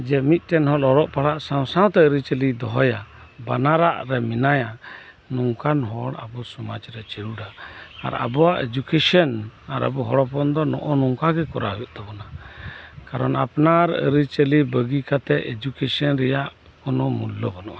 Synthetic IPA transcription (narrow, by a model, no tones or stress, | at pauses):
d͡ʒɛmit̪̚ˀʈɛnhɔlɔɾɔʔpaɽaʔsaw̃sãw̃t̪ɛəɾit͡ʃəlid̪ɔɦɔja | banaɾaʔɾɛminaja | nuŋkanɦɔɽa̰bɔsɔmad͡ʒɾɛt͡ʃəɾuɖaa̰ɾa̰bɔwaʔed͡ʒukesənaɾə̰bɔɦɔɽɔpɔnd̪ɔnɔ̰ʔɔnɔŋkaɡɛkɔɾajɔʔt̪abɔna | kaɾɔna̰pnaɾə̰ɾit͡ʃəlibəɡikat̪ɛed͡ʒukesənɾɛjaʔ | kɔnɔmulːɔbɔnɔʔa